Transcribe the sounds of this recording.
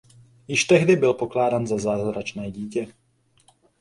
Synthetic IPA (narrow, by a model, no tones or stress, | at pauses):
jɪʃt̪ɛɦdɪbɪlpoklaːdanzazaːzɾat͡ʃnɛːɟiːcɛ